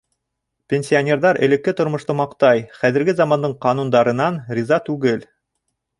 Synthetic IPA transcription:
pʲenʲsʲionʲeɾðɑɾɘ̰̆lɘ̆kːɘt̪ŏɾmŏʃt̪omɑqt̪ɑjχæðɘ̆ɾɡɘzɑmɑnd̪ɤɴqɑnund̪ɑɾɤ̆nɑnrʲizɑt̪ʉɡɘl

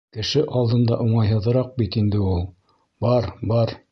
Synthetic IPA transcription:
kɘ̆ʃɘʔɑlˠd̪ɤ̆nd̪ɑʔuɴɑjɦɤ̆ðɤ̆ɾɑq̚bit̪ind̪ɘulˠ | bɑɾbɑɾ

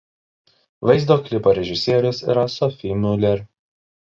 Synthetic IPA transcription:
ʋɐɪzd̪oːklʲɪpoːɾʲɛʒʲɪsʲiːɾʲʊsḭːɾɐsɔfʲimʲʊlʲɛɾʲ

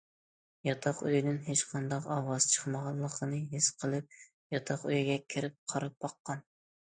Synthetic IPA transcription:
jɑt̪ʰɑqøjd̪ɪnɦet͡ʃqʰɑnd̪ɑqɑwɑz̥t͡ʃʰə̥χmɑʁɑnllˠːəqʰənɨɦɪsqʰəlˠɨp̚ | jɑt̪ʰɑqyjiɡʲɛkʲʰɪɾɪp̚qʰɑɾɑp̚bɑqːɑn

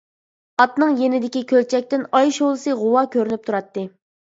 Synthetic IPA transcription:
ɑt̪nɨŋjenɪd̪ɪkʲikʲʰølt͡ʃʰɛk̚ʲt̪ɪnɑjʃolˠɨsɨʁʊwɑkʲʰøɾynyp̚t̪ʰuɾɑt̪ːɨ

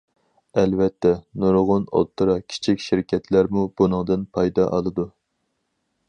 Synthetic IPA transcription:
ɛlvɛt̪ʰːɛnuɾʁʊno̰t̪ʰːɨɾɑkʲʰi̥t͡ʃʰikʲʃiɾkʲʰɛt̪ʰlæɾmub̥unɨŋd̪ɨnpʰɑjd̪ɑʔɑlˠɨd̪u

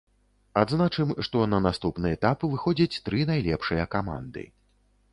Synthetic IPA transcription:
ad̪znat͡ʂɨmʂt̪ɔnɐnast̪upnɨɛt̪apvɨxɔd͡zʲit͡sʲt̪ɾɨnajlʲɛpʂɨjɐkama̰nd̪ɨ̰

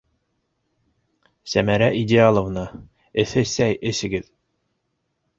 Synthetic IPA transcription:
sæmæɾæʔidʲealˠŏvnɑ | ɘ̆θɘsæjʔɘ̆sɘ̆ɡɘð

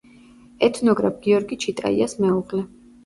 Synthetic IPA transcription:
ɛt̪ʰnɔɡɾa̰p̚ɡ̥iɔɾɡit͡ʃʰit̪ʼa̰ḭasmɛuʁlɛ

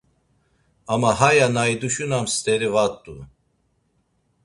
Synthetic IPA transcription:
amaɦajanajd̪uʃunamst̪ɛɾivat̪ʼːu

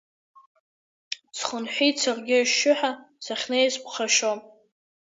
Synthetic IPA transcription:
t͡sʰχənħʷit͡sʰarɡʲɪʃːʊħa | saχʲnejzpʰχaʃom

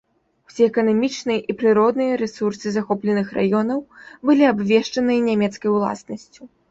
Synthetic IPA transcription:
wsʲɛɛkɐnamʲit͡ʂnɨjɐʔipɾɨɾɔd̪nɨjɐɾɛsursɨzaxɔplʲɛnɨxra̰jɔnɐwbɨlʲiabvʲɛʂt͡ʂɐnɨjɐnʲamʲɛt̪skɐjwlˠa̰snɐsʲt͡sʲu

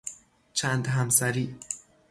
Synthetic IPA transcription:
t͡ʃʰænd̪ɦæmsæɾiː

